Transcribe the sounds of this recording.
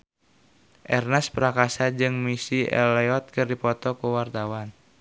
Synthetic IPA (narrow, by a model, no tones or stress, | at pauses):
ʔɛrnɛspɾakasad͡ʒɨŋmisiɛ̰lɛɔt̪̚kɨrdipɔt̪ɔkuwart̪awan